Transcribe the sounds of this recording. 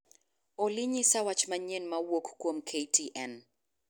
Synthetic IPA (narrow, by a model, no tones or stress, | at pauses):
ɔliɲisawat͡ʃmaɲɛnmawɔkkɔm̩kʰejtʰiʔɛn